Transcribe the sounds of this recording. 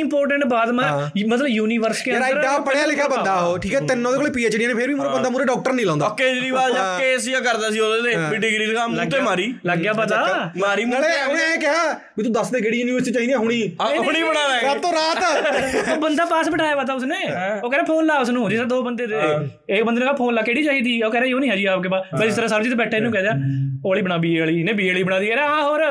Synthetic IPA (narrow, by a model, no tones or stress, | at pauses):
ɪmpoːɾʈəɳʈbaːd̪mãːmət̪ləbjuːniːʋəɾskẽeɾaɾaːpːəɽaːlɪkʰjaːbə̃nd̪aːɦoːʈʰiːkɛːt̪ɪnːõːeːkoːleːpiːeːt͡ʃɽijãneːpʰɪɾbiːmʊɾeːbənd̪aːmuɾeːɖɔːk̚ʈəɾnĩːlãːnd̪akːeːd͡ʒɾiːbaːld͡ʒaeːsijaːkəɾd̪aːsiːoːeːt̪eːbiɖɪɡɾiːd̪kamt̪emaːɾiːləɡjaːpət̪aːmaːɾiːmleːẽkɪɦaː | biːt̪ũːd̪əsd̪eːkeːɽiːjuːniːʋəɾsʈit͡ʃaːĩːd̪iãːɦʊɽ̃iːʊɽ̃iːbəɽaːʋaat̪õːɾaːt̪ːoːbənd̪aːpaːsbəʈʰaːjaːʋaːt̪aːʊsneːoːkɛːɾaːpʰoːnlaːʊsnũːd͡ʒɪsɾaːd̪oːbənd̪eːd̪e | ekbənd̪enẽːkːpʰoːnlaːkeːɽiːt͡ʃaːiːd̪iːoːkɛːɾaːoːnĩɦɛːd͡ʒiːaːpkeːpaːbəd͡ʒɪst̪ɾaːsaːlːd͡ʒit̪eːbɛːʈʰːaːɪnːũːkɛːd̪ejaːoːəːɭiːbəɽ̃aːbiːeaːɭiːneːbiːaɭiːbəɽaːd̪iːkɛːɾaɦãːɦoːɾ